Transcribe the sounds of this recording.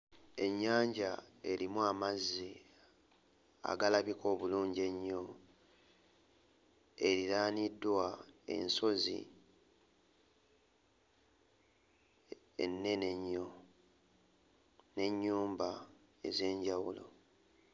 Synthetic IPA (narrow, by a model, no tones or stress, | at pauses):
e̞ɲːaːɲɟae̞ɾimuamazːi | a̰ɡalaβiko̞ːβuluːɲɟe̞ɲːo̞ | e̞ɾiɾaːnidːwae̞̰nso̞zḭ | ḛnːe̞ne̞ɲːo | ne̞ɲːuːmba | e̞̰ze̞ːɲɟawulo̞̰